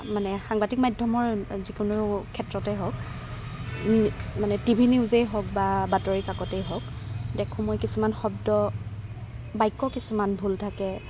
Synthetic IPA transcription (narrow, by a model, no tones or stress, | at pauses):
manɛxaŋbatik̚madʱɔmɔɹzikʊnʊkʰɛtɹɔtɛɦɔk | manɛtibʱiniʊzejɦɔk̚babatɔɹikakɔtɛjɦɔkdɛkʰũmojkisumanxɔb̚dɔ | bajkːɔkisumanbʱultʰakɛ